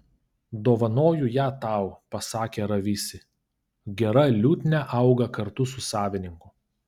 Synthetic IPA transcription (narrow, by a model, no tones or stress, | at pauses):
d̪oːʋɐnoːjʊjæːt̪ɑˑʊpɐsɑːkʲeːɾɐʋʲɪsʲɪ | ɡʲɛɾɐlʲuːt̪ʲnʲɛʔɐʊɡɐkɐɾt̪ʊsʊsɑːʋʲɪnʲɪŋkʊ